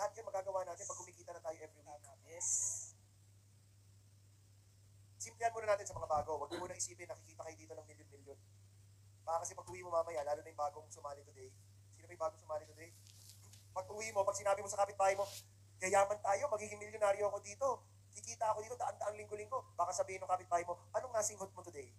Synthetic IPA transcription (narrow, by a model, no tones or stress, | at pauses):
lɐhɐt̪̚jɐnmɐɡaːɡɐwaːnaːt̪ɪnpɐɡ̚hʊmikiːt̪ɐnɐt̪aːjoʔɛvɾiwaɡɐɛs | sɪmplɛhɐnmoːnɐnaːt̪ɪnsɐmɐŋabaːɡo̞wɐɡ̚nimonɐŋʔɪsiːpɛnɐkɪkiːt̪ɐkɐjod̪iːt̪onɐŋmɪljonmɪljon | baːkɐkɐsɛpɐɡ̚ʔʊwiːmomaːmɐjalaːlonɐjʊŋbaːɡoŋsʊmaːnɪt̪ʊd̪ɛj | sinobɐjbaːɡoŋsʊmaːlɪt̪ʊd̪ɛj | pɐɡ̚ʔʊwimo̞pɐɡ̚sɪnaːbɪmosɐkaːpɪt̪̚baːhjmo̞ | ɡɐjaːmɐnt̪aːjo̞mɐɡiːɡɪŋmɪljonaːɾjoɐko̞d̪iːt̪o̞ | ɐkɪkiːt̪ɐʔɐko̞d̪iːt̪od̪ɐʔand̪ɐʔaŋlɪŋɡolɪŋɡo̞b̥aːkɐsɐbiːhɪnʊŋkaːpɪt̪̚baːhɐjmo̞ʔɐnoŋːasɪŋhod̪̚mot̪ʊd̪ɛj